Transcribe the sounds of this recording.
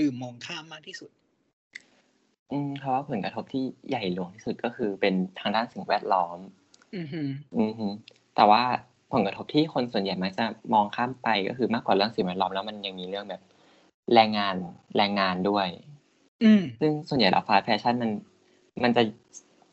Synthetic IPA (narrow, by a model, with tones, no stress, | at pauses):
dɯː˨˩mːɔː˧ŋk̪ʰaː˥˩mːaː˥˩k̚t̪ʰiː˥˩su˨˩t̪̚ | ʔɯː˧pʰɔ˦˥waː˥˩pʰo˩˦nkɾa˧t̪ʰo˦˥p̚t̪ʰiː˥˩jʔa˨˩jlu˨˩˦əŋt̪ʰiː˥˩su˨˩t̪̚kɔː˥˩kʰɯː˧pe˧nt̪ʰaː˧ŋdaː˥˩nsi˨˩ŋwɛː˥˩t̪̚lɔː˦˥m˧˦ | ʔɯː˧hɯ˦˥ | t̪ɛː˨˩waː˥˩ | pʰo˨˩˦nka˧t̪ʰo˦˥p̚t̪ʰiː˥˩xʰo˧nsu˨˩ənja˨˩jma˦˥k̚t͡ɕa˨˩mɔː˧ŋkʰaː˥˩mpa˧jkɔ̰ː˥˩xʰɯː˧maː˥˩kːwaː˨˩lɯ˥˩əŋsi˨˩ŋwɛː˥˩lɔː˦˥mlɛː˦˥wma˧nja˨˧ŋmiː˧lɯ˥˩əŋbɛː˨˩p̚ | ɾɛː˧ŋːaː˧nlɛː˧ŋːaː˧ndu˥˩əj | ɯ˧˩sɯ˥˩ŋsu˨˩ənja˨˩jlʔa̰˨˩faː˦˥t̪̚fɛː˧t͡ɕʰa˥˩nma˧n | ma˧nt͡ɕa˨˩